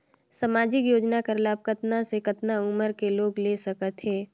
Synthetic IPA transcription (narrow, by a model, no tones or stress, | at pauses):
səmaːd͡ʒɪkjoːd͡ʒnakəɾlaːb̚kət̪nasekət̪naʊməɾkeloːɡlesɐkət̪ɦɛː